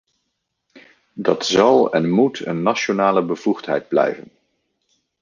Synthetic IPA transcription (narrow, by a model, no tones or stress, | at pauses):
dɑtzɑlˠɛ̰nmutʰə̰nːaʃonaːləbəv̥uχtɦɛ̰jd̚blɛ̰jvən